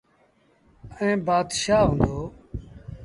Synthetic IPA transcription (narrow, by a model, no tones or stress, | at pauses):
ẽːbaːd̪ʃaːɦõːnd̪oː